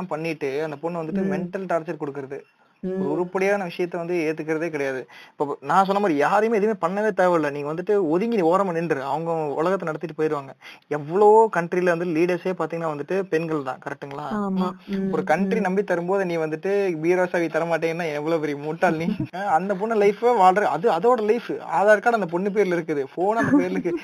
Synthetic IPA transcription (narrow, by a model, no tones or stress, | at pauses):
aːpɐɳːɪʈːɯɐnd̪ɐpɔɳːʋɐnd̪ɯʈːɯmɛɳʈːɐlʈaːɾt͡ʃɐɾkɔɽɯkːɪɾɐðɯ | ɔɾʊɾɯpːɐɽɪjaːnɐʋɪʂɐjɐt̪̬ːɛʋɐnd̪ɯeːt̪ːɯk̬ːɪɾɐðeːkɪɽɐjaːðɯɪpːoːnãːs̬ɔnːɐmaːɾijaːɾɯjmeːðɯmeːpɐɳːɐʋeːt̪eːʋɐlɐniːŋɡɐʋɐnd̪ɯʈːɯɔðɪŋɡɪnioːɾɐmɐɳːɪnɐðɐʋɐŋɡɐʊ̰lɐɣɐt̪ːɐnɐɽɐt̪ːɪʈːɯpoːjɪɾɯʋaːŋɡɐɛʋːɐɭoːoːkɐɳʈɾilɐʋɐnd̪ɯʈːɯliːɽɐɾseːpaːɾt̪iŋɡɐnaːʋɐnd̪ɯʈːɯpɛnɡɐɭt̪ã̰ːkɐɾɛk̚ʈːɯŋɡɐɭːaː | ɔɾɯkɐɳʈɾinɐmbit̪ɐɾɯmboːðɯnĩːɡɐʋɐnd̪ɯʈːɯbiːɾoːsaːʋit̪ɐɾɐmaːʈ̬ːeːŋɡɐnːaːɛnɛʋːɐɭoːpɛɾɪjɐmuːʈːaːlniːɐnd̪ɐpɔɳːɯlɐɪfʋaːɭɐɾɐ̰ðɯɐðoːɽɐlɐɪfaːðaːɾkːaːɽɐnd̪ɐp̬ɔɳːɯp̬eːɾɪlɪɾɯkːɯðɯfoːnɐnd̪ɐpeːɾɪlɯkːɯ